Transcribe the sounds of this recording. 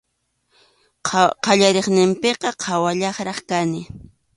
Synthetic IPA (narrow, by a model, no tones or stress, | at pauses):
qɑʎaɾeχnɪmpeqɑqʰɑwaʎɑχɾɑχkanɪ